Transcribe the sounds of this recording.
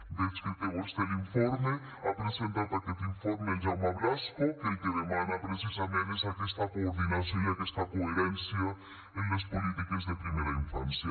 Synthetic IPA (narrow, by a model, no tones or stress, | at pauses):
d̪ezket̪ewost̪elĩɱfoɾme | ɐpɾezẽnt̪at̪ɐket̪ĩɱfoɾmẽʒawmɐβlaʃkoket̪eðemanɐpɾesizɐmẽnezɐkest̪ɐkõvinɐzeɐkɛst̪ɐkoeɾẽnsjɐ | ẽnɐspolit̪ikɐzðɐpɾimejɾɐĩɱfɐ̰̃nsjɐ